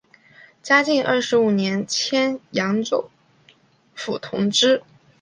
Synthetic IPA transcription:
t͡ɕja˥t͡ɕi˥˧ŋʔə˞˥˩ʂɻ̩˧˥u˨˩njɛ˧˥nt͡ɕʰjɛ˥njɑ˧˥ŋt͡so˥˩ | fu˨˩t̪ʰʊ̰˧˥ŋʈ͡ʂɻ̩˥

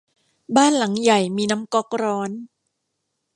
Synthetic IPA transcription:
baː˥˩nla˩˦ŋja˨˩jmiː˧na˦˥mkɔ˦˥k̚ɾɔː˦˥n

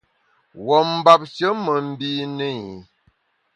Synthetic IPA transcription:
wɔ˨m̩˦ba˦p̚t͡ʃə˦mə˨m̩˦bi˦nə˦i˨

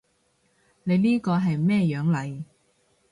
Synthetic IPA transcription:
ne˨˧jniː˥kɔː˧ɦɐ˨jmɛː˥˧jœː˨˥ŋlɐ˨˧j

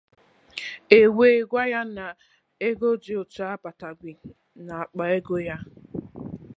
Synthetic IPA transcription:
e˨we˨ɡʷa˦ja˦na˨ | e˦ɡo˦d͡ʒɪ˦ʊ˨t͡ʃa˦a˦pa˨ta˨ɡʷi˨ | na˨a˨k͡pa˨e˦ɡo˦ja˦

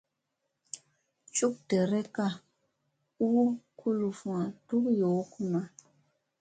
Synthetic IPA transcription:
t͡ʃu˦k̚tɛ˨ɾɛ˦ka˦ | u˦kʰu˦lu˨fũ˨a˨tu˦kjo˨˦ku˦ma˨

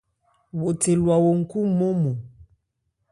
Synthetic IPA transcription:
wo˨te˨lwa˨wo˨ŋ̩˦˨ku˦mo˦mo˨

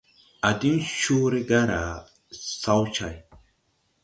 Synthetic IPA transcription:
a˨di˦nʃuː˦ɾe˦ɡa˦ɾa˨ | sa˦wt͡ʃa˨j

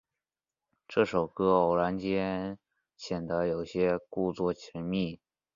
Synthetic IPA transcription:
ʈ͡ʂɤ˥˩ʂo˨˩ʊkɤ˥˨˩la˧˥nt͡ɕjɛ˥ | ɕjɛ˨˩nd̪ə˧˥jo˨˩ʊɕjɛ˥ku˥˧t͡swɔ˥˩t͡ɕʰi˧˥nmi˥˩

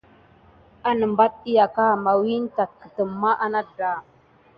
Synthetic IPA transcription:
a˦nə˨mba˦t̚i˦ja˨ka˦˨ma˨wi˦n˦ta˨t̚kə̥˨tə˨mːa˦ʔa˦na˦da˨

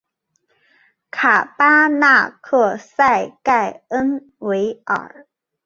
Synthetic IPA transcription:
kʰa˨˩pa˥na˥˩kʰɤ˥˩sa˥˧ɪka˥˩ɪə˦˥n | we˧˥ɪʔə̰˨˩˥

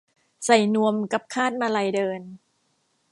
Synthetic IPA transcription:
sa˨˩jnu˧əmka˨˩p̚kʰaː˥˩t̪̚maː˧la˧jdɤː˧n

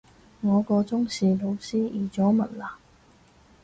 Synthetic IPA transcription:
ŋɔː˨˧kɔː˧t͡sʊ˥ŋsiː˨lo˨˧wsiː˥ʔiː˨˩t͡sɔː˨˥mɐ˨˩nlaː˨˩

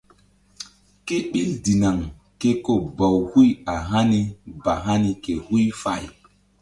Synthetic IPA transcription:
ke˦ɓi˦ldi˨na˨ŋ | ke˦ko˦ba˨whu˦ja˨ɦa˦ni˦ba˨ɦa˦ni˦ke˨hu˦jfa̰˨j

